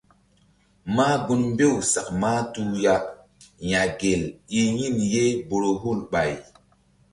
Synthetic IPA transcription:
ma˦ɡu˦nmbe˦˨wsa˨k̚ma˦tu˦ja˨k | ja˨ɡe˨li˦ɲi˦˨nje˦bo˨ɾo˨ɦu˦˨lɓa˨j

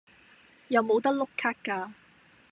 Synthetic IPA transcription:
jɐ˨˧wmo˨˧wt̪ɐ˥k̚lʊ˥kʰːaː˥k̚kːaː˧

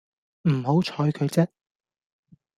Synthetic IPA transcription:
m̩˨˩ho˨˥wt͡ʃʰɔː˨˧jkʰɵ˨˧ɥt͡sɛ˥

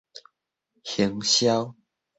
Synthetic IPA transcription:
hjə˨˦ŋɕja˦w

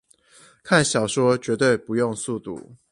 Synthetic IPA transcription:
kʰa˥˨nɕjɑ˨˩ʊʂwɔ˦˥t͡ɕɥɛ˧˥t̪we˥˨ɪpu˧˦jo˥˧ŋsu˥˧˨t̪ṵ˨˩

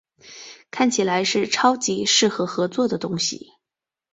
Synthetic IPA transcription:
kʰa˥˩nt͡ɕʰi˨˩la˧˥ɪʂɻ̩˥˩ʈ͡ʂʰɑ˥ʊt͡ɕi˧˥ʂɻ̩˥˩xɤ˧˥xɤ˧˥t͡swɔ˥˩d̪ə˩t̪ʊ˥ŋɕḭ˨˩

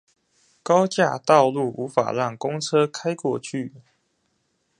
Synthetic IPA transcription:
kɑ˥ʊt͡ɕja˥˧t̪ɑ˥˧ʊlu˥˩ʔu˧˥fa̰˨˩ɻɑ˥˩ŋkʊ˥ŋt͡sʰɤ˦kʰa˥ɪkwɔ˥˧t͡ɕʰy˥˩

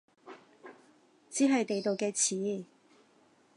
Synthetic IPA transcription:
t͡siː˨˥ɦɐ˨jt̪e˨jt̪o˨wkɛː˧t͡sʰiː˨˥˦

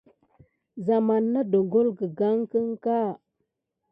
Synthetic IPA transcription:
za˨ma˨nːa˦do˨ɡo˦lɡə˨ɡa˦ŋkə˦ŋka˦

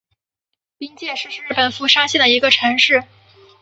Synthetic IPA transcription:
pi˥ŋt͡ɕjɛ˥˧ʂɻ̩˥˧ɻ̩˥˧ɻ̩˥˩pə˨˩nfu˥˩ʂa˥ŋɕjɛ˥˩nd̪ə˩i˧˥ɡə˧ʈ͡ʂʰɤ˧˥ŋʂɻ̩˥˩

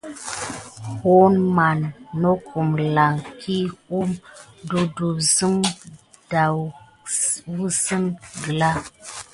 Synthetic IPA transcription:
ho˦nma˨nː˨o˦ku˨mla˨ŋkʰi˦u˦mdu˨du˨zɨ˦ŋ | d̥a˨w | vu˦sɨ˦nɡɨ˨la˦

